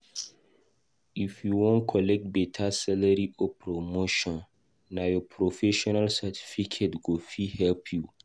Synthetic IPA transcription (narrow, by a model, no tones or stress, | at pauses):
ifjuwɔ̃nkʰɔlɛk̚t̚bɛtʰasɛlaɾiʔɔpʰɾomoʃɔ̃nː | ajɔpʰɾɔfɛʃɔnalsatʰi̥fikʰetɡofihɛlpʰju